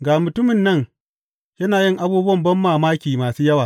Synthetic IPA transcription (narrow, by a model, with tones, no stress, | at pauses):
ɡaː˨mʊ˨tʊ˦mɪ˨nːɐ˦ŋ | jɐ˦naː˨jɪ˦ŋʔa˦buː˦bwɐ˦˨mbɐ˦mːaː˨maː˦kʲiː˨maː˨suː˦jɐ˦waː˨